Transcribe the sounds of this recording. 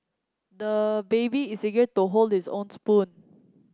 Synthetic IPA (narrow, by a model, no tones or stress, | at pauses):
dəbebiiseɡətuɦoldhisõ̰nspũn